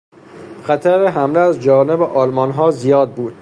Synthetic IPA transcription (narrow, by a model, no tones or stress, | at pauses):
xæt̪ʰæɾeɦæmleæzd͡ʒɒːne̞beʔɒːlmɒnɦɒːzijɒːd̪̚buːd̪̥